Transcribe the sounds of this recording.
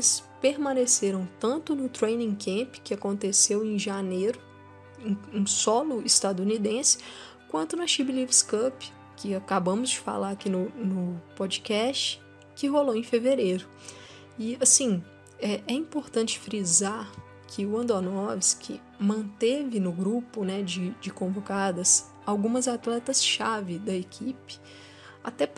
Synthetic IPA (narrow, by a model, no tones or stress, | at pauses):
elɪspeɾmɐ̃neseɾɐ̃w̃t̪ɐ̃nt̪ʊnʊt̪ɾejnĩkẽpɪ̥kɪakõnt̪esewẽj̃ʒanejɾʊ | ẽũsɔlʊist̪ad̪uunid̪ẽsɪ̥ | kwɐ̃nt̪ʊnɐʃibilivskɐp | kɪakabɐ̃mʊzd͡ʒɪfa̰laɾakinʊnʊpod͡ʒikɛst͡ʃɪ̥ | kɪɦoloẽfeveɾejɾʊ | ɪasĩ | ɛʔɛĩpoɾt̪ɐ̃t͡ʃɪ̥fɾizaɾ | kʰɪʊɐ̃nd̪onɔviskʰɪ̰ | mɐ̃nt̪evɪnʊɡɾupʊnɛd͡ʒɪd͡ʒɪkõvokad̪ɐs | awɡũmɐzat̪lɛt̪ɐsʃavɪd̪ɐekʰipɪ̥ | at̪ɛp